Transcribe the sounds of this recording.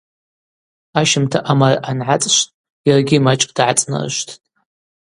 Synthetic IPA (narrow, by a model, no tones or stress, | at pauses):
aʃɪmtʰaʔamarʔanʕat͡sʼʃʷtʼ | jarɡʲimat͡ʃʼkʼd̥ʕat͡sʼna̰r̰ʃʷtʰtʼ